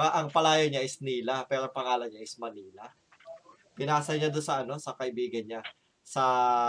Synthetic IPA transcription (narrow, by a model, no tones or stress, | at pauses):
aʔɐŋpɐlaːjoɲaʔɪsniːlɐpɛːɾoɐŋpɐŋaːloɲaʔɪsmɐniːlɐ | pɪnaːsɐɲad̪onsɐʔɐno̞sɐkɐʔɪbiːɡɐnɲa | sɐ